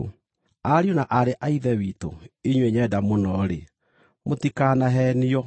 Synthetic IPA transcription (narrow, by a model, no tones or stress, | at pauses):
aɾiɔnaʔaɾeʔaiðɛwiːto̰iɲweɲɛdamonɔɾe | motikaːnaɦɛniɔ